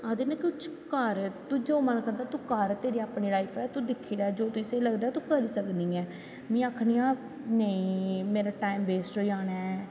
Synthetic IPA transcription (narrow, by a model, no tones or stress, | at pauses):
aːd̪eːnãːkt͡ʃkəɾt̪uːd͡ʒoːmənkəɾd̪aːt̪uːkəɾt̪eːɾiːaːpɳeːlaːiːpʰɛːt̪uːd̪ɪkʰːiːɾaːɛd͡ʒoːt̪uɪseːləɡd̪aːɛt̪uːkəɾiːsəkniːɛː | mĩːaːkʰniːaː | nəĩːmeːɾaːʈaːimbeːsʈoːiaːnɛː